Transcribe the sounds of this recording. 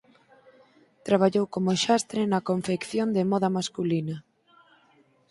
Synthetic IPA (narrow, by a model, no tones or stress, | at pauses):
t̪ɾaβ̞aʎowkomʊʃast̪ɾɪnɐkoɱfekθjond̪ɪmɔðɐmaskulinɐ